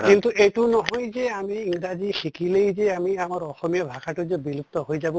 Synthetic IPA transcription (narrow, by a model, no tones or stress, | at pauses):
kint̪uʔejtunɔɦɔjzɛamiːŋɡɹazixikilejzɛamiamaɹɔxɔmijabʱakatʊzɔbilup̚t̪ɔɦojzabɔ